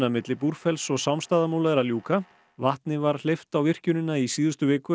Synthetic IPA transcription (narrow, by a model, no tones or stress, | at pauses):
namɪt̪lɪpuɾ̥fɛlsɔsawmst̪aːðamuːlaɾaljuːka | vaht̪nɪvaɾ̥l̥eft̪awvɪr̥cʏnɪnːaisiːðʏst̪ʏvɪːkʏ